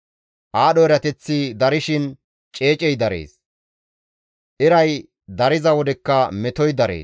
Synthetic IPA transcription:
ʔaːɗɔɛɾɐt̪ɛt͡sːɪd̪ɐɾɪʃɪn | t͡ʃʼe̞ːt͡ʃʼɛjd̪ɐɾḛːs | ʔɪɾɐj | d̪ɐɾɪzɐwɔd̪ɛkːɐmɛt̪ɔjd̪ɐɾḛː

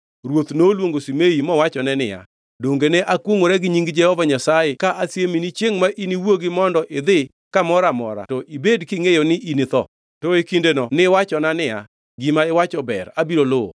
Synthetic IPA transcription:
ɾwot̪nolwoŋɡosimeimɔwat͡ʃɔnɛnɪja̰ | doŋɡenɛʔakwoŋoɾɛɡɪɲiŋɡd͡ʒɛhɔvaɲasajekaʔasjeminit͡ʃjeŋmaʔiniwoɡɪmɔndɔʔɪd̪ɪ | kamɔɾamɔɾa̰tɔʔibedkɪŋejonɪʔinɪt̪ɔ | tɔekindenɔnɪwat͡ʃɔnanɪja̰ | ɡɪmaɪwat͡ʃɔbɛ̰ɾabiɾolʊɔ̰

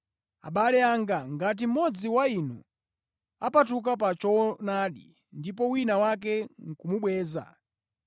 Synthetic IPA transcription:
a̰ɓalɛaŋɡaŋɡat̬im̩mɔd͡ziwainṵ | apatuk̬ap̬at͡ʃɔnaɗḭ | ndipɔwinawak̬ɛŋ̩kumuɓwɛːza̰

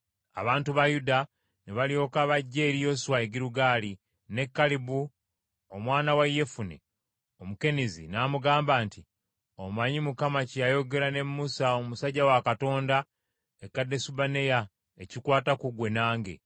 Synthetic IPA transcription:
a̰βaːntuβajuda | neβalio̞kaβaɟːe̞ːɾijo̞swaeɡiɾuɡaːli | ne̞kːalibu | omwaːnawaje̞funḛ | o̞muke̞nizḭnaːmuɡaːmbaːnti | omaɲimukamacijajo̞ɡe̞ɾane̞mːusaomusaɟawakato̞ːnda | ekːadːe̞subane̞ja | e̞cikwaːtakuɡwe̞naːŋɡe̞̰

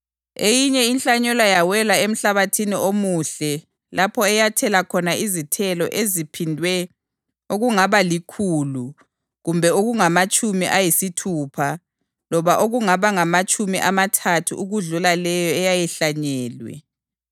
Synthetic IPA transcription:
ejiɲɛinɬaɲɛlajawɛlaem̩ɬaβatʰiniʔomuɬɛ | lapʰɔɛjatʰɛlakʰɔnaizitʰɛlɔ̰ʔezipʰindʱwɛ | oɣuŋaβalikʰuːlu | ɣumbʱɛoɣuŋamat͡ʃʼumiʔajisitʰuːpʰa | lɔβaʔoɣuŋaβaŋamat͡ʃʼumiʔamatʰatʰṵuɣuɮulalɛjɔɛjajɛɬaɲɛːlwɛ̰

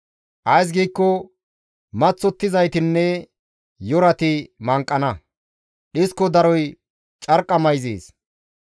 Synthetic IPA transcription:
ʔɐjs̬ɡiːkːɔ | mɐt͡sːɔt̪ːɪzɐjt̪ɪnːɛ | jɔɾɐt̪ɪmɐŋkʼːɐnɐ | ᶑɪskɔd̪ɐɾɔj | t͡ʃʼɐɾkʼːɐmɐjzḛːs

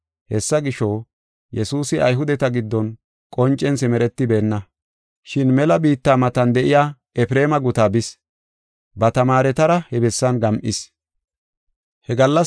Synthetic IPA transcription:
hɛsːɐɡɪʃɔ | jɛsuːsɪʔɐjɦʊd̪ɛt̪ɐɡɪd̪ːɔn | kʼɔnt͡ʃʼːɛnsɪmɛɾɛt̪ːɪbe̞ːnːɐ | ʃɪnmɛlɐbiːt̪ːaːmɐt̪ɐnd̪ɛʔɪjaː | ɛfɾe̞ːmɐɡʊt̪aːbɪs | bɐt̪ɐmaːɾɛt̪ɐɾɐhɛbɛsːɐnɡɐmʔɪs | hɛɡɐlːɐ

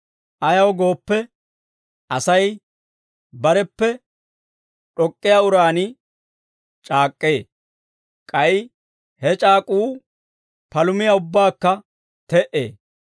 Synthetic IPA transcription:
ʔɐjɐwɡo̞ːpːɛ | ʔɐsɐj | bɐɾɛpːɛ | ᶑɔkʼːɪjaʊɾaːnɪ | t͡ʃʼaːkʼːeː | kʼɐj | hɛt͡ʃʼaːkʼuː | pɐlʊmɪjɐʊbːaːkːɐ | t̪ɛʔḛː

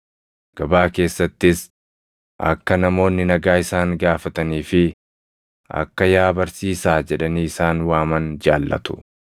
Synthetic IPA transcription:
ɡ̥ɐbaːke̞ːsːɐt̪ːɪs | ʔɐ̰kːɐnɐmo̞ːnːɪnɐɡaːɪsaːŋɡaːfɐt̪ɐniːfɪ | ɐ̰kːɐjaːbɐɾsiːsaːd͡ʒɛᶑɐniːɪsaːnwaːmɐnd͡ʒaːlːɐ̰t̪ʊ̥

